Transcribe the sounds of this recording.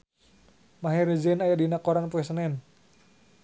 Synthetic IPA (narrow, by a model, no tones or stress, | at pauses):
maɦɛɾəd͡ʒɛnajadinakɔɾanpuɛsənɛn